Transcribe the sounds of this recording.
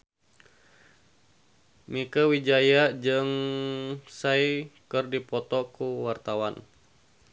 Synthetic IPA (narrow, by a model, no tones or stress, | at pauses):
mikəwid͡ʒajad͡ʒɨŋ | saikɨrdipɔt̪ɔkuwart̪awan